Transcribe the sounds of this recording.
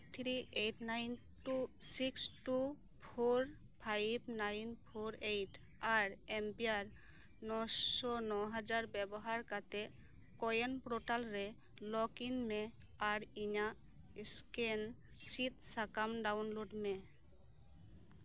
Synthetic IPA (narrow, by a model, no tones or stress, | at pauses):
t̪ʰɾiʔejʈnajn | ʈusiksʈu | pʰoɹ | pʰajbnajnpʰoɾejʈ | aɹempiaɹ | nɔsɔnɔɦad͡ʒaɹbɛbɔɦaɹkat̪ɛ | kɔjenpɾoʈalɹɛ | lɔkinmɛ | aɾiɲa | sken | sit̪̚sakamɖawnloɖmɛ